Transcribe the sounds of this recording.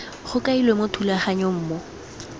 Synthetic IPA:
χʊkailwemotʰulaχaɲɔm̩ːmɔ

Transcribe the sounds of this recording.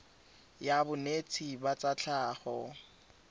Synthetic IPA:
jabʊnet͡sʰibat͡sat͡ɬʰaːχɔ

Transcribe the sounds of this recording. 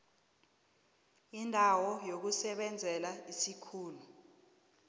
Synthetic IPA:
indʱawɔjok̬usɛɓɛnd͡zʱɛlaisikʰuːlu

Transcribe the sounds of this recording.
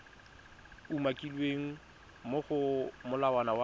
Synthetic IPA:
umakʼilweŋ̩ | moχʊmʊlawanawa

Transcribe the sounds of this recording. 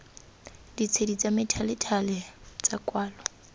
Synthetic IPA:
dit͡sʰedit͡sʼamɪtʰalɪtʰalɛt͡sʼakʼwaːlɔ

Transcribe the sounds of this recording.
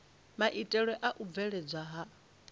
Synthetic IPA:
maʔitʼɛɺwɛʔaʔub̪vɛɺɛd͡zʷaɦa

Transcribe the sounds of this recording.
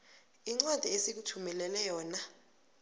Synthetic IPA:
iŋ͡ǀwad̥ʱiesik̬utʰumɛlɛlɛjɔːna

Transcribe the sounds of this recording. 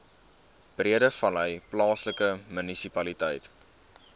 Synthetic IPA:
b̥riədəfɐlɦəjplɑːsləkəmynisipɐlitəjt

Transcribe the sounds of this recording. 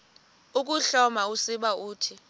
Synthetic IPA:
uk̬ʼuɬɔmausiɓauːtʰi

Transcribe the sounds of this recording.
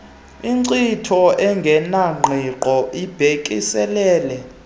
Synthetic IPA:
iǀitʰɔɛŋɡʱɛnaŋ͡ǃʱiǃɔʔib̥ʱekʼisɛlɛːlɛ

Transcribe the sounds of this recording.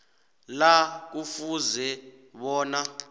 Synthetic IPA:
lak̬ufuzɛ | ɓɔːna

